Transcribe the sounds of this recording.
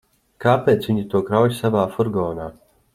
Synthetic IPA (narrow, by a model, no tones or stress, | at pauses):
kaːpʲeːt̪sviɲit̪uɔkɾawjsavaːfuɾɡɔːnaː